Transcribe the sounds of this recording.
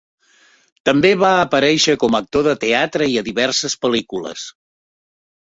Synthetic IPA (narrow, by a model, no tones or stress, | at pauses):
t̪əmbeβaəpəɾɛʃəkɔmək̚t̪oðət̪eat̪ɾəiəðiβɛrsəspəlikulə̰s